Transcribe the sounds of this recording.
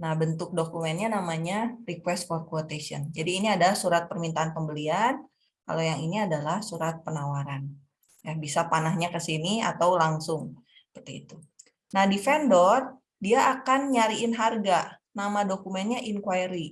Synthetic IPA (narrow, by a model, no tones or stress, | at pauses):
nahbənt̪ʊk̚dokumɛnɲanamaɲarikwɛst̪̚fɔrkuot̪esiɔ̰nd͡ʒadiːniadalahsuɾat̪̚pərmint̪aːnpəmbəlian | ka̰lojaŋiniadalahsuɾat̪̚pənawaɾan | jahbisapanahɲakəsinia̰t̪awlaŋsʊŋ | sə̥pərt̪ḭːt̪u | nahdifɛndɔr | diaʔːkanɲaɾiɪnɦarɡa | namadokumɛnɲaʔiŋkwajɾi